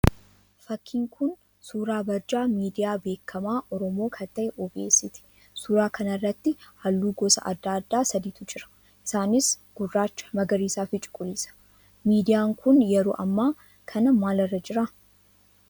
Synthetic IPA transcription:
fɐkʰːiːŋkʰʊn | suːɾaːbɐɾd͡ʒaːmiːd̪ɪjaːbe̞ːkʰːɐmaːʔɔɾɔmoːkʰɐt̪ːɐʔɛʔɔbḛːsɪt̪ɪ̥ | suːɾaːkʰɐnɐrːɐt̪ːɪhɐlːuːɡɔsɐ̰ʔɐ̰d̪ːaːɐd̪ːaːsɐd̪iːt̪ʊd͡ʒɪɾɐ̥ | ʔɪsaːnɪs | ɡ̥ʊrːaːt͡ʃːɐ̥mɐɡɐɾiːsaːfɪt͡ʃʼʊ̥kʼːʊliːsɐ̥ | miːd̪ɪjaːŋkʊnjɛɾo̰ːʔɐ̰mːaː | kʰɐnɐmaːlɐrːɐd͡ʒɪɾɐ

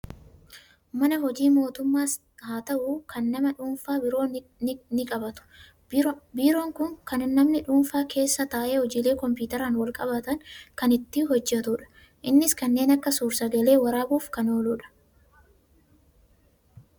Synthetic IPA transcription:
mɐnɐhɔd͡ʒiːmo̞ːt̪ʊmːaːs | haːt̪ɐʔukɐnːɐmɐᶑuːnfaːbɪɾo̞ːnɪkʼɐbɐt̪ʊ̥ | biːɾo̞ːŋkʊŋkɐnnːɐmnɪᶑuːnfaːkʰe̞ːsːɐt̪aːʔe̞ːhɔd͡ʒiːle̞ːkɔmpuːt̪ɐɾaːnwɐlkʼɐbɐt̪ɐŋkɐnɪt̪ːɪɦɔd͡ʒːɛt̪ʊːᶑɐ̥ | ʔɪnːɪskɐnːe̞ːnɐkːɐsuːɾsɐɡɐle̞ːwɐɾaːbuːfkɐno̞ːluːᶑɐ̥

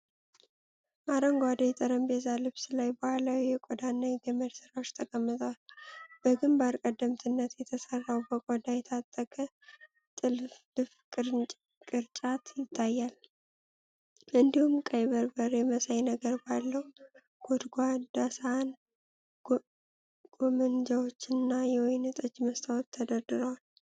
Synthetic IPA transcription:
ʔaɾəŋɡʷad̪ajɛt̪ʼəɾəmbezalɨβsɨlajbəhʷalawjɛkʼɔd̪anːajɡəməd̪sɨɾawot͡ʃːt̪ʰəkʼəmːɨt̪ʼəwalb̥əɡɨmbaɾkʼəd̪ːəmt̪ʰɨnːət̪jɛt̪ʰəsərːawbəkʼɔd̪ajɛt̪ʰat̪ʼːəkʼə | t̪ʼɨlf | ɨfkʼɨɾʼ | kʼɨɾt͡ʃʼat̪jɪt̪ʰːajːal | ʔɨnd̪ihumkʼəjβəɾbəɾjɛməsajnəɡəɾbalːəwu | ɡ̥od̪ɡʷad̪asan | ɡ̥omɨnd͡ʒawot͡ʃːɪnːajɛwojnɨt̪ʼət͡ʃːməst̪ʰawot̪ʰːəd̪əɾd̪ɨɾəwal

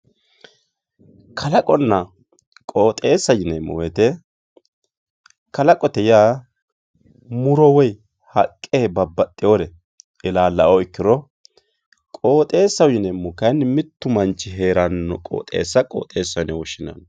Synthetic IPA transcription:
kʰɐlɐkʼɔnːɐ | kʼo̞ːt̪ʼe̞ːsːɐjɪnɛmːɔ̰wɛt̪ɛ | kɐlɐkʼɔt̪ɛjaː | mʊɾɔwɔj | hɐkʼːeːbɐbːɐt̪ʼːɪjoːɾɛ | ɛlaːlːɐʔɔɪkːɪɾɔ | kʼo̞ːt̪ʼe̞ːsːɐwjɪnɛmːɔkɐnːmɪt̪ːʊmɐnt͡ʃːɪɦe̞ːɾɐnːɔkʼo̰ːt̪ʼe̞̰ːsːɐkʼo̰ːt̪ʼe̞ːsːɐwɪnɛwɔʃɪnɐ̰n

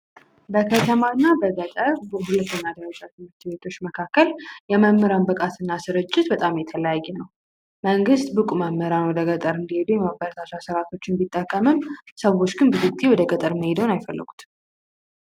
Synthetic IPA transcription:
bəkʰət̪ʰəmanːabəɡət̪ʼəɾbəɦulət̪ʰːəɲːad̪əɾət͡ʃʼat̪ʰɨmɨɾt̪be̞t̪ʰo̞t͡ʃːməkʰakːəljɛməmːəɾanbəkʼat̪ʰɨnːasɨɾɨt͡ʃʼːɪt̪bət̪ʼamjɛt̪ʰələjajːɛnəw | məŋɡɨst̪bɨkʼumamːəɾanwɔd̪əɡʼət̪ʼəɾɨnd̪ihed̪ujɛmaəɾət̪ʰasasəɾat̪ʰo̞t͡ʃːɪnbit̪ʼːəkʼːəmɨmsəwo̞t͡ʃːɡɨnbɨzɨkt̪ʼiwɔd̪əɡət̪ʼəɾməhed̪əwnajfəlːɨ̰ɡʷu̥t̪

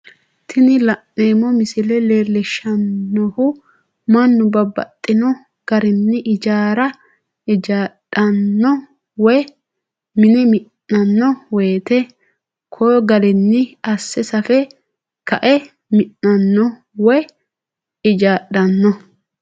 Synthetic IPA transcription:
t̪ʰɪnɪlɐnːeːmɔmɪsɪlɛleːlːɛʃːɐnːɔhʊ | mɐnːʊbɐbːɐ̰t̪ʼːɪnɔ | ɡ̥ɐɾɪnːɪʔɪd͡ʒaːɾɐ | ɪd͡ʒaːɗɐnːɔ | wɔj | mɪnɛmɪnːɐnːɔweːt̪ɛ | kʰɔɡɐɾɛnːɪɐsːɛsɐfɛ | kɐʔɛ | mɪnːɐnːɔ | wɔj | ɪd͡ʒaːɗɐnːɔ

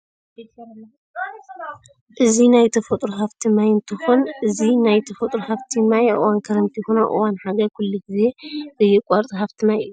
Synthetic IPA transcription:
ʔɨzinajt̪ʰɐfɐt̪ʼɾuɦaft̪ʰimajɨnt̪ʰɨxunʔɨzinajt̪ʰɐfot̪ʼɾuhaft̪ʰimajʔɨ̰wankʰɐɾɐnt̪ʰixonaʔɨ̰wanħaɡɐkʰulːiɡize̞bɨjɛkʼaɾt̪ʼɨhaft̪ʰinaj̰ju

